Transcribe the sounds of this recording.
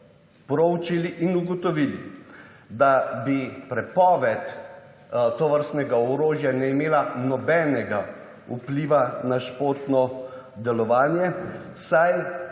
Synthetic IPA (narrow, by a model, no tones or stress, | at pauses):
pɾɔwt͡ʃiliʔinuɡɔt̪ɔʋiːlḭ | d̪abipɾɛpɔːʋɛt̪ | t̪ɔʋəɾst̪nɛɡaɔɾoːʒjanɛimeːlanɔbɛːnɛɡa | upliːʋanaʃpoːɾt̪nɔd̪ɛlɔʋaːnjɛsaj